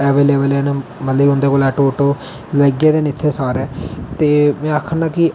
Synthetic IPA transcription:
ɛːʋeːleːbəlɛːnːmət̪ləbʊ̃nd̪eːkoːlɛːʈoːʈoː | ləɡeːd̪eːnɪt̪ʰːeːsaːɾɛːt̪eːmɛ̃ːaːkʰənd̪ãːkɪ

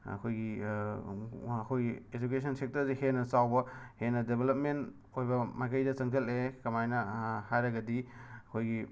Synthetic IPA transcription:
ɐ̰kʰojɡi | ɐkʰojɡied͡ʒuk̬esʰɐnsek̚tɐɾzehenɐsawbɐhenɐdebelɐp̚ment | ojbɐmajkɐjdɐt͡ʃɐŋtellekɐmajnɐhajɾɐɡɐdiɐkʰojɡi

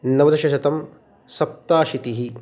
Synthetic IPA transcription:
nɐʋɐd̪ɐʃɐʃɐt̪ɐm | sɐp̚t̪aːʃit̪iɦi

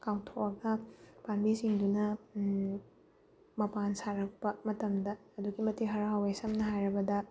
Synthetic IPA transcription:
kawtʰoʔɐɡɐpanbisiŋdunɐ | mɐpansaɾɐk̚pɐmɐtɐmdɐːduɡimɐtiɦɐɾaɦawesɐmnɐɦajɾɐbɐdɐ

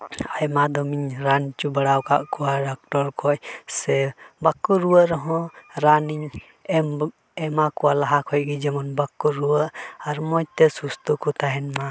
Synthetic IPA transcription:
ajmad̪ɔmiɲɾant͡ʃubaɽawkaʔkɔwaɖak̚ʈɔɾkʰɔcsɛbakːuɾuwəʔɾɔɦɔ̃ɾaniɲ | ɛmakɔwalaɦakʰɔj̚ɡid͡ʒɛmɔnbakːuɾuwəʔaɾmɔjt̪ɛsust̪ukɔt̪aɦɛnma

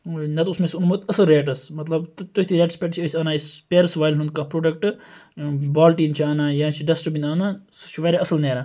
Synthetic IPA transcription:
nɐt̪usmesunmut̪ɐsɐlɾeːʈɐsmɐt̪lɐbt̪t̪ot̪ʰiɾeːʈspeːʈt͡ʃʰiɐsʲaːnaːispeːɾsʋaːjlɦunkapɾoːɖɐk̚ʈ | baːlʈiːnt͡ʃʰiaːnaːjãːt͡ʃʰiɖɐsʈəbinaːnast͡ʃʰiʋɐɾeɐsɐlneːɾa

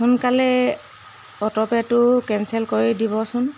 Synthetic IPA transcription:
xʊnkalɛ | ɔtɔpɛtʊkɛnsɛlkoɹidibɔsʊn

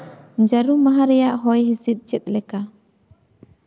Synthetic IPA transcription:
d͡ʒaɾumaɦaɾɛjaʔɦɔjɦisit̪̚ˀt͡ʃɛt̪̚lɛka

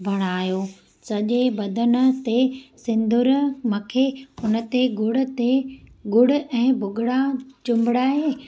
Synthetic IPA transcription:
bʱɐɽ̃aːjoː | sɐʄebɐd̪ʱən̆t̪esɪ̃nd̪ʱʊɾmɐkʰeʊnə̆t̪eɡʊɽ̤̆t̪eɡʊɽ̤̆ɛ̃ːbʱʊɡʱɪɽat͡ɕʊ̃mbɪɽaːɦeː

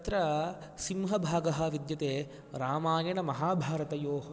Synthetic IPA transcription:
t̪ɾɐ | simɦɐbʱaːɡɐɦɐʋid̪jɐt̪eː | ɾaːmaːjɐnɐmɐɦaːbʱaːɾɐt̪ɐjoːɦɐ

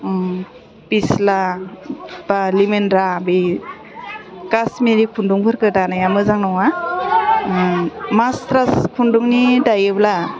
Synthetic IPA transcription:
pisla | balimenɾabi | kasmiɾikʰunduŋpʰɯɾkɯtanajamɯzaŋnɔŋa | mastɾaskʰunduŋnidajɯbla

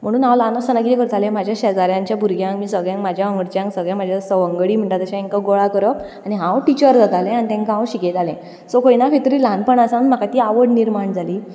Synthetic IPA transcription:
m̤əɽ̃uːnãwlanəsənakit̪ekəɾt̪ʰalẽm̤ad͡ʑʱjaɕəd͡zaɾjãɲt͡ɕjabʱuɾɡʱjãŋkmiːsəɡɭjãŋkm̤ad͡ʑʱjaʋə̃ŋɡəɽt͡ɕjãŋksəɡɭjãm̤ad͡ʑʱjasəʋəŋɡəɽiːm̤əɳʈ̪at̪əɕãiŋkaɡoɭakəɾəp | aniɦãwʈit͡ɕəɾd͡zʱət̪alɛ̃anit̪ɛ̃ŋkɦãwɕiket̪alɛ̃ | sokoinakʰet̪ɾiːlãnpəɳasanm̤akat̪iːaʋəɽniɾmaɳd͡zʱaliː

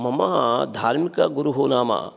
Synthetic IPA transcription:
mɐmad̪ʱaːɾmikɐɡuɾuɦuːnaːmɐ̰

